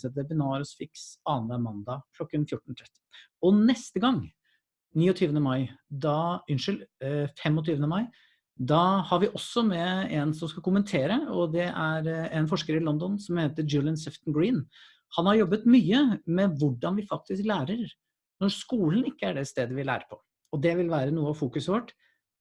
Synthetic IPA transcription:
ɛt̪ɛbɪnɑːɾsfɪksɑːnəmɑnd̪ɑkʰlɔkːənfjʊʈːɳ̩t̪ʰɾɛt̪ː | ɔnɛst̪əɡɑŋː | niːɔt̪ʰyːʋənəmɑɪd̪ɑʏnʂɪlfɛmɔt̪ʰyːʋənəmɑɪ | d̪ɑhɑɾʋɪʔɔsːɔmɛɛnsɔmskɑkʊmənt̪ʰeːɾəɔd̪ɛʔæɾɛnfɔʂkəɾɪlɔnd̪ɔnsɔmheːt̪əd͡ʒʊlɪənsɛft̪nɡɹiːn | hɑnhɑɾjɔbːət̪myːəmɛʋʊɖɑnʋɪfɑk̚t̪ɪsklæːɾəɾ | nɔɾskuːlən̩ɪkːəæɖɛst̪eːd̪əʋɪlæ̰ːɾəpʰɔ̥ | ɔd̪ɛʋɪlʋæːɾənuːəɑʋfuːkʉsəʋɔʈː

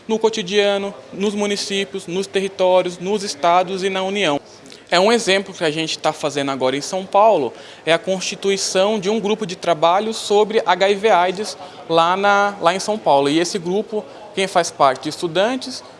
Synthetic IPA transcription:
nʊkot͡ʃ̪id͡ʒiɐ̃nʊnʊzmũnisipjʊznʊst̪eɦit̪ɔɾjʊznʊzɪst̪ad̪ʊzɪnɐuniɐ̃w̃ | ɛũezẽmplʊkɪaʒẽnt͡ʃɪ̥t̪afazẽnd̪ʊaɡɔɾɐẽj̃sɐ̃w̃pawlʊ | ɛɐkõst͡ʃit̪uisɐ̃w̃d͡ʒɪũɡɾupʊd͡ʒɪt̪ɾabaʎʊsobɾɪʔaɡaiveajd͡ʒɪs | lanɐlaẽj̃sɐ̃w̃pawlʊɪesɪɡɾupʊ | kẽj̃faspaɾt͡ʃɪd͡ʒɪst̪ud̪ɐ̃nt͡ʃɪs

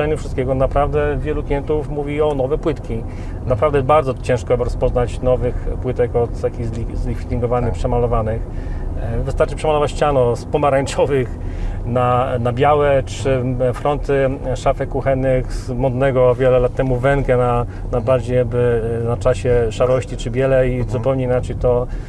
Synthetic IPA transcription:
ɛɲufʂɘst̪kʲɛɡɔnapɾavd̪ɛvʲjɛluklʲijɛnt̪ufmuvʲiɔnɔvɛpwɘt̪kʲi | napɾavd̪ɛjɛbaɾd̪zɔt͡ɕɛ̃ʂkɔabɾɔspɔznat͡ɕnɔvɘxpwɘt̪ɛkɔt̪t̪akʲiɣzlʲizlʲifʲit̪iŋɡɔvanɘxpʂɛmalɔvanɘx | vɘst̪aɾt͡ʂɘpʂɛmalɔvat͡ɕt͡ɕanɔspɔmaɾaɲt͡ʂɔvɘxnanabʲjawɛt͡ʂɘfɾɔnt̪ɘʂafɛkːuxɛnːɘxzmɔd̪nɛɡɔvʲjɛlɛlat̪ːɛmuvɛŋkɛna | nabaɾd͡ʑejaɡ̚bɘnat͡ʂaɕɛʂaɾɔɕt͡ɕit͡ʂɘbʲjɛlɛizupɛwɲeinat͡ʂɛjt̪ɔ

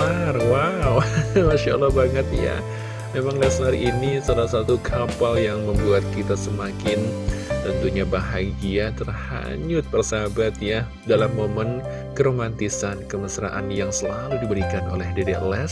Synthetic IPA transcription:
arwawmaʃalːɑhbaŋət̪̚ja̰ | memaŋlɛslaɾiʔinisalasat̪ukʰapaljaŋməmbuat̪̚kit̪asəmakɪnt̪ənt̪uɲabaɦaɡiat̪ərha̰ɲʊt̪̚pərsabat̪̚ja | dalamːomən | kəɾomant̪isankəməsɾa̰ʔa̰njaŋsəlaludibəɾikano̰lɛhdedɛʔ̪lɛs

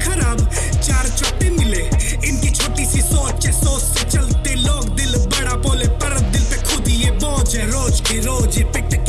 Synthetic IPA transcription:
kʰɐɾaːb | t͡ʃaːɾt͡ʃʰɔːʈemɪle | ɪnt̪it͡ʃʰɔːʈisisɔːt͡ʃesoːset͡ʃəlt̪eloːkd̪ɪlbɐɽ̃aːpoːlepəɾət̪̚d̪ɪlt̪ekʰʊd̪ieboːd͡ʒeɾoːd͡ʒkeɾoːd͡ʒepɪʈk

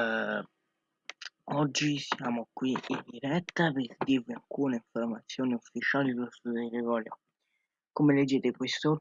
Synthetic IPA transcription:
ɔd͡ʒːisjaːmokwiind̪iɾɛt̪ːapezd̪iviaŋkuːneiɱformat̪sːjoːniufːit͡ʃaːlidost̪ud̪elevɔːljo | komeled͡ʒːeːt̪ekwest̪o

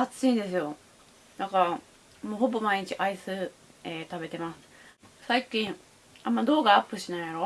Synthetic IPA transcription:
at͡sːɨĩnd̪e̞sɨjo̞ | nãŋka | moːho̞bo̞maiɲ̟it͡ɕiʔaisɨ | eːt̪abe̞t̪e̞masɨ̥saikʲĩɴ | amːad̪o̞ːɡaːpːɯ̟ɕinaijaɾo̞

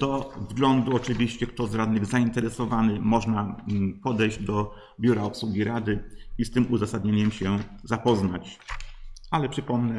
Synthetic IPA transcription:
d̪̥ɔzɡlɔnd̪uɔt͡ʂɘvʲiɕt͡ɕɛkt̪ɔzɾad̪nɘɣzaint̪ɛɾɛsɔvanɘmɔʐnapɔd̪ɛjʑd͡ʑd̪ɔ | bʲjuɾaɔpswuɡʲiɾad̪ɘist̪ɘmuzasad̪ɲeɲɛmɕɛzapɔznat͡ɕ | alɛpʂɘpɔmnɛ

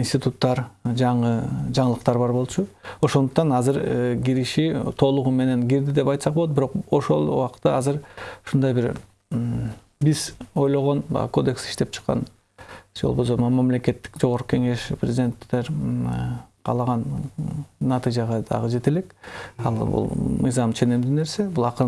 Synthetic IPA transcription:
insʲt̪ʲit̪ut̪ːɑɾd͡ʒɑɴɯd͡ʒɑɴəlˠəqt̪ɑɾbɑɾbo̞lˠt͡ʃʰuo̞ʃond̪uq̚t̪ɑnɑzɨɾɡiɾiʃit̪ʰo̞lˠuʁume̞ne̞nɡiɾd̪id̪e̞pɑjt̪sɑq̚bolˠot̪biɾo̞qo̞ʃo̞̰lˠṵwɑqt̪ːɑɑzɯɾuʃund̪ɑjbiɾ | biz̥o̞jlˠo̞ʁo̞nbɑ̰ko̞d̪e̞ksi̥ʃt̪e̞p̚t͡ʃʰɯ̥qːɑ̰n | d͡ʒolˠbosomɑmɑmle̞ke̞t̪ːi̥kd͡ʒo̞ʁoɾqu̥ke̞ŋe̞ʃprʲḛzʲɪd̪ʲe̞nt̪ːeɾ | qʰɑ̰lˠɑʁɑn | nɑt̪ɨjd͡ʒɑʁɑd̪ɑ̰ʁɯd͡ʒe̞t̪elekɑ̰lˠbṵlˠmɯ̰jzɑmt͡ʃʰe̞nemd̪yne̞ɾse̞bulˠɑqɯ

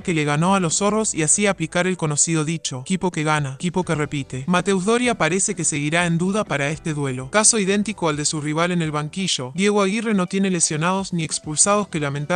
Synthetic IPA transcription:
ke̞le̞ɣ̞ano̞alo̞so̞ro̞siasiaplikaɾe̞lko̞no̞siðo̞ðit͡ʃo̞kipo̞keɣanakipo̞kere̞pit̪e̞mat̪e̞wzðoɾjapaɾese̞kese̞ɣiɾaend̪uðapaɾaest̪e̞ðwe̞lo̞kaso̞iðe̞nt̪ikoald̪e̞suriβ̞ale̞ne̞lβaŋkiʒo̞d̪je̞ɣ̞oaɣire̞no̞t̪je̞nele̞sjo̞nað̞o̞zniekspulsað̞oske̞lamẽnt̪a

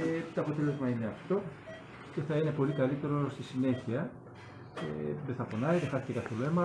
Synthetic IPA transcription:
et̪oɐpo̞t̪e̞lozmɐine̞ɐft̪o̞ | ce̞θɐine̞po̞likɐlit̪e̞ɾo̞st̪isine̞çiɐ | ḛðeθɐfonɐiðexɐθec̪ekɐθoloemɐ

